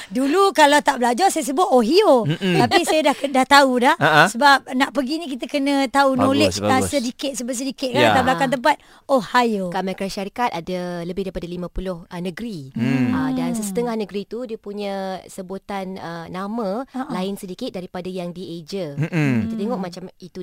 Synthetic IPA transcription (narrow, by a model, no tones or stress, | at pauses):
dulukalawt̪aʔbəlad͡ʒɔrsajas̬əbʊt̪̚oɦiot̪apisajadahkdaht̪audahaʔsəbap̚naʔpəɡinĩk̬it̪əkənə̃t̪aunolɪt͡ʃasədikɪt̪̚səbʊt̪sədikɪt̪̚kat̪ablakant̪əmp̬at̪̚ | ohajokamakɾaʃaɾikat̪adaləbɪhdaɾipadalimãpulʊhənəɡɾiədansəsət̪əŋahnəɡɾit̪udiəpuɲə̃səbot̪anəːamə̃laɪnsədikɪt̪̚daɾipadajaŋdied͡ʒəkit̪ət̪eŋɔk̚mat͡ʃamit̪u